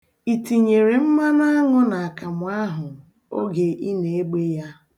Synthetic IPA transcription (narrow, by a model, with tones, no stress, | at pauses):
i˨ti˨ɲe˨ɾe˨m̩˦ma˦na˦a˦ŋʊ˦na˨a˨ka˨mʊ˨˦a˦ɦʊ˨ | o̰˦ɡe˨ʔi˦ne˨e˦ɡ͡be˦ja˦